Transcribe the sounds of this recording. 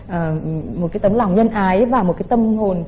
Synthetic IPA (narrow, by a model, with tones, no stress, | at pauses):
ʔəː˨˩mo˨˩t̚kaː˨˦jt̪ə˨˦mla˨˩wŋ͡mzə˧nʔaː˨˦jvaː˨˩mo˨˩t̚kaː˨˦jt̪ə˧mho˨˩n